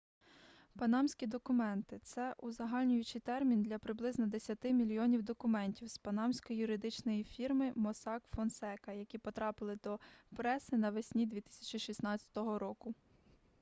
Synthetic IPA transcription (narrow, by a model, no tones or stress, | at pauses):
pɐnɑmsʲkʲid̪ɔkʊmɛnt̪ɪt̪sɛʔʊzɐɦɑlʲnʲʊjʊt͡ʃijt̪ɛrmʲind̪lʲɐpɾɪblˠɪznɔd̪esʲɐt̪ɪmʲilʲijɔnʲiwd̪ɔkʊmɛnʲtʲiwspɐnɑmsʲkɔijʊɾɪd̪ɪt͡ʃnɔjifʲirmɪmɔsɑkfɔnsɛkɐjɐkʲipɔt̪ɾɑpɪlˠɪd̪ɔpɾɛsɪnɐʋɪsʲnʲid̪ʲʋʲit̪ɪsʲɐ̥t͡ʃiʃisnɑt͡sʲɐ̥t̪ɔɦɔɾɔkʊ